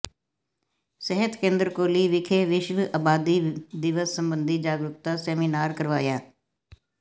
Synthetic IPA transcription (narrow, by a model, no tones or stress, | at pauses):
səɦət̪kẽːnd̪ɾəkoːliːʋɪkʰeːʋɪʃʋaːbaːd̪iːd̪ɪʋəsːəmbənd̪id͡ʒaːɡɾʊk̚t̪aːsɛːmiːnaːɾkəɾʋaːjaː